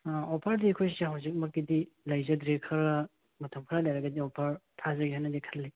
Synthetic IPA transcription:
aopʰɐɾdiɐkʰojseɦawzik̚mɐk̚ːidilɐjzɐdɾekʰɐɾɐ | mɐtʰɐmkʰɾɐlɐjɾɐɡɐdiopʰɐɾtʰazɐɡiɦajnːɐdikʰɐlːi

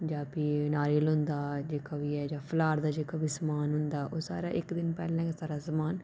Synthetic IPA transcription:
d͡ʒaːpiːnaːɾiəlɦʊ̃nd̪aːd͡ʒeːkaːʋiːɛːd͡ʒãːpʰlaːɾd̪aːd͡ʒeːkaːbiːsəmaːnɦʊnd̪aːʔoːsa̰ːɾa̰ːʔɪkd̪ɪnpɛ̰ːlãːsaːɾaːsəmaːn

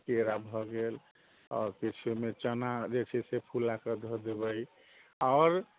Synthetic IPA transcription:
keɾabʱɔɡel | ɔ̰ːɾkit͡ʃʰumet͡ʃənad͡ʒet͡ʃʰɛsepʰulakəd̪ʱɔd̪eβəj | ɔɾ

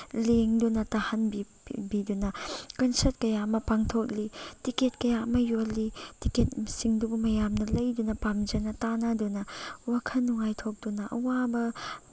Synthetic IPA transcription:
leŋdunɐtahanbi | bidunɐkɐnsɐɾt̚kɐjaɐmɐpaŋtʰoklitiket̚kɐjaɐmɐjolːitiket̚msiŋdubumɐjamnɐlɐjdunɐpamd͡ʒɐnɐtanɐdunɐwakʰɐnːuŋajtʰok̚d̥unɐʔɐ̰wabɐ

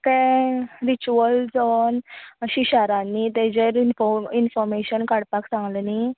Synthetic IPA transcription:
kɛ̃ɾit͡ɕuəld͡zɔnɕiɕaɾãnːit̪ɛd͡ʑeɾinfɔinfɔɾmeɕənkaɽpaksãŋɡləni

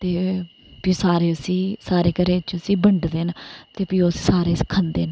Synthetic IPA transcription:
t̪eː | pĩːsaːɾeːʊsĩːsaːɾeːkəɾeːt͡ʃəsiːbəɳɖd̪eːnt̪eːpiːossaːɾeːskʰənd̪eːn

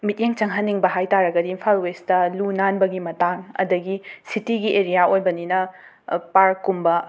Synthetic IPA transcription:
mit̚jeŋt͡ʃɐŋɦɐnːiŋbɐɦajtaɾɐɡɐdiːnpʰalwestɐlunanbɐɡimɐtaŋɐ̰dɐɡisitiɡiʔeɾijaojbɐninɐ | paɾkːumbɐ

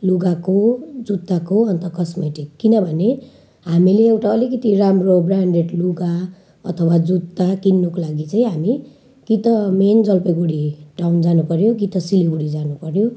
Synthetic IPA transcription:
luɡakod͡zut̪ːakoʌnt̪ʌkʌsmeʈikːinʌbʱʌne | ɦamileːwʈaʌlikʌt̪iramrobraɳɖeʈluɡa | ʌ̰t̪ʰʌwad͡zut̪ːakinːokolaɡit͡saĩɦami | ɡ̥it̪ʌmend͡zʌlpeɡuɽiʈawnd͡zanupʌɾjoɡit̪ʌsiliɡuɽid͡zanupʌɾjo

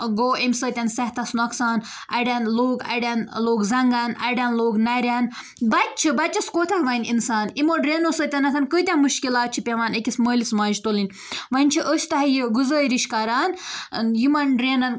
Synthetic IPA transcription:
ɡoːimʲsəːt̪ʲɐnsɐht̪ʰɐsnɐksaːn | ʔɐ̰ɖʲanloːɡɐ̰ɖʲanloːɡzɐŋɡaːnɐ̰ɖʲanloːɡnɐɾʲan | bɐt̪̚ʲt͡ʃʰibɐt̪ʲt͡ʃɐskoːt̪ʰɐhʋɐnʲḭnsaːnimoɖɾeːnosəːt̪ʲɐnɐt̪ʰɐnkəːt̪ʲanmuʃkilaːt̪̚t͡ʃʰipʲeʋaːnekʲisməːlismaːʒt̪olinʲ | ʋɐnʲt͡ʃʰiʔəʃʰt̪ɐɦɐjiɡuzəːɾiʃkɐɾaːnjimɐnɖɾeːnɐn

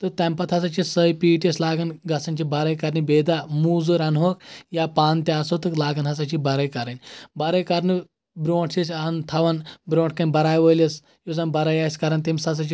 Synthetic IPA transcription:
t̪ɨt̪ɐmpɐt̪ʰɦɐs̬at͡ʃisəjpiːʈɐslaːɡɐnɡɐsɐnt͡ʃibɐɾɐjkɐɾnibeːd̪amuːzɨɾɐnɦoːkjapaːnt̪easot̪ɨklaːɡɐnɦɐsat͡ʃibɐɾɐjkɐɾɐnʲbɐɾɐjkɐɾni | bɾoːʈʰsisʲant̪ʰɐʋɐnbɾõːɳʈ̚ʰkɐnʲbɐɾaːjʋəːlʲɐs | juzɐnbɐɾajaːsʲkɐɾɐnt̪imsɐs̬ɐt͡ʃi

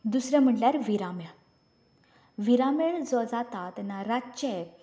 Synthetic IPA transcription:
d̪usɾjɛ̃m̤əʈljaɾʋiɾamja | ʋiɾameɭd͡zɔd͡zat̪at̪ɛnːaɾat͡ɕɛ

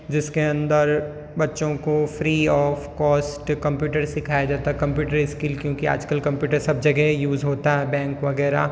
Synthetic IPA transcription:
d͡ʒɪskeɐ̃nd̪əɾ | bɐtːʃõkofɾiːɔːfkɔːsʈkɐ̃mpjuːʈəɾsɪkʰaːjad͡ʒaːt̪aɦɛkɐ̃mpjuːʈəɾiskɪlkjõːkia̰ːd͡ʒkəlkɐ̃mpjuːʈəɾsɐb̚d͡ʒɐɡɛɦjuːzɦoːt̪aɦɛbɛ̃ːŋkʋɐɡɛːɾa̰ː

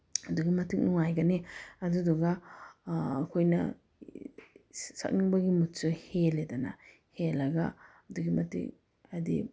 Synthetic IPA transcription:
hɐduɡimɐtʰɯk̚nuŋajɡaniɐduduɡaː | kʰojnɐ | sa̰k̚niŋbɐɡimutsɯheledana̰ | helɐɡa | ɐduɡimɐtʰḭk | ɐdḭ

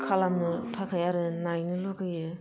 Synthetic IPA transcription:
kʰalamnɯtʰakʰajaɾɯnajnɯlokɯjɯ

